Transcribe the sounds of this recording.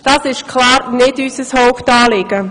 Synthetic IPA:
d̥ɑːsɪʃkʰlɑːɾnɪdyːsəshoʊptɑːlɪɡ̥ə

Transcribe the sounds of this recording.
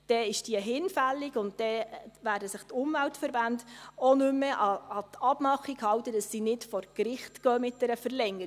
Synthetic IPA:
d̥ɛɪʃd̥iəɦɪnfælːiɡʊnttɛʋæːɾdəsɪχt̪ʊmvæltfəɾbændonʏmːəʔɑɑtɑbmɑχːiɡhɑwtədɑsːinɪtfɔɾkɾɪχtkœːmɪt̚d̥ɛɾəfəɾlɛŋːəɾ

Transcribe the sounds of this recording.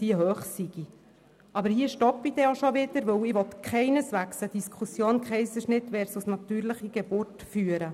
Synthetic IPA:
d̥iəɦøːχsiɡ̥i | ʔɑbəɾhiəʃtɔpidɛoʃɔʋɪd̥əɾʋɵwɪʋɔt̪kχɛɪnəsʋæksəd̥iskʰusjoːnkχɛɪjsəʃnɪt̪ʋɛːɾsusnɑt̪yːɾləχiɡ̥ebʊɾtfyːəɾə

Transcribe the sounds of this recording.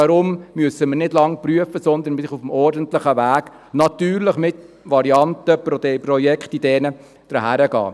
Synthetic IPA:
ɑɾʊmmyəsəmənɪdlɑŋprɾyəfəsɔnd̪ənsɪχufm̩ɔɾdənt̪lɪχəʋæːɡ̥ | nɑt̪yːɾlɪχmɪt̪ | ʋɑɾiɑnt̪əpɾɔjɛkχt̪id̥̪ɛːnə | d̥əɾɦæɾəɡɑ̰ː

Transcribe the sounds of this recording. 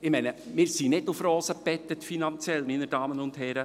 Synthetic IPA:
ɪmɛɪnəmɪːɾsinɪdʊfɾɔːsəpɛt̪ːətfinɑnt͡sjɛlminəd̥ɑːmənʊndhɛɾə

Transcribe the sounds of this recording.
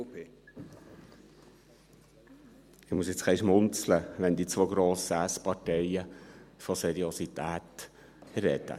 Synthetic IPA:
ɪχmuəs̬jɪt͡skʰɛɪʃmʊnt͡sləʋɛnd̪it͡sʋoɡɾoːsæspɑtɛɪəfɔsɛɾiosit̪æːt̪ | ɾːɛ̰d̪ə̰

